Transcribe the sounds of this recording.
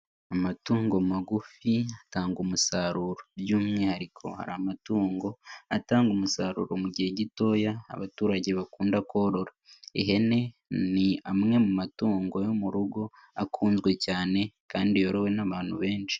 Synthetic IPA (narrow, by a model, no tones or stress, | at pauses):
amatuːŋɡomaɡufiataːŋɡumusaɾuɾobjuːmŋehaɾikʰo̞̰ha̰ɾamatuːŋɡo̞ataːŋɡumusaːɾṵːɾomuɟihe̞ɟito̞ːja̰ːβatuːɾaɟe̞βakuːndakʰo̞ɾo̞ɾaeɦe̞ne̞niamŋe̞mumatuːŋɡo̞jo̞muɾuɡo̞ | akʰuːnzɡwe̞caːne̞kaːndijoɾowe̞naβaːnhuβe̞ːnʃi̥